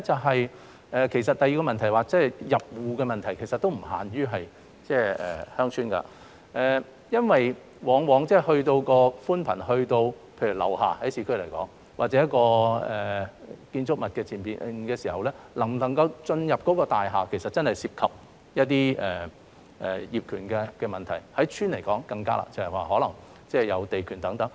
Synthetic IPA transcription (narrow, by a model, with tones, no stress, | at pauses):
t͡sɐ˨wɦɐ˨j | ʔɛː˨kʰe˨˩js̬ɐ˨t̚t̪ɐ˨jiː˧kɔː˧mɐ˨nt̪ʰɐ˨˩jwaː˨˧t͡sɛ˥˩jɐ˨p̚wuː˨kɛː˧mɐ˨nt̪ʰɐ˨˩jkʰe˨˩jsɐ˨t̪ːo˥wm̩˨˩ɦa̰ː˨˩nɥyː˥ɦɐ˨j | t͡sɛː˥˩ɛ̰ː˨˩hœː˥ŋt͡ʃʰyː˥nka̰ː˧ | ʔɛː˨˩ | jɐ˥nwɐ˨j | wɔː˨˥ŋwɔː˨˥ŋt͡sɛː˥˩hɵ˧ɥt̪o˧wkɔː˧fuː˥npʰɐ˨˩nhɵ˧ɥt̪o˧w | pʰe˧jɥy˨˩lɐ̰˨˩wha̰ː˨˩hɐ˨˥jsiː˨˥kʰɥlɐ˨˩jkɔ̰ː˨˥ŋ | waː˨t̚t͡sɛ˨˦jɐ˥tkɔː˧ɛː˨kiː˧nt͡sʊ˥k̚mɐ˨t̚kɛː˧t͡sʰiː˨˩npiː˨nkɛː˧siː˨˩hɐ˨wlɛː˥ | lɐ˨˩ŋlɐ˨˩ŋkɐ˧wt͡ʃɵ˧njɐ˨p̚kɔ˨˥kɔː˧t̪aː˨jɦaː˨kʰe˨˩jsɐ˨t̚t͡sɐ˥nhɐ˨jsiː˧p̚kʰɐ˨p̚ | jɐ˥t̚t̪iː˥ɛː˨˩ | ʔɛː˨jiː˨˩p̚kʰyː˨˩nkɛː˧kɛː˧mɐ˨nt̪ʰɐ˨˩jhɐ˨˥jt͡ʃʰyː˥nle˨˩jkɔː˨˥ŋkɐ˧ŋka̰ː˥la̰ː˨t͡sɐ˨˩hɐ˨jwaː˨ɦɔː˨˥lɐ˨˩ŋ | t͡sɛː˥˩jɐ˨˧wt̪e˨jkʰyː˨˩nt̪ɐ˨˥ŋt̪ɐ˨˥ŋ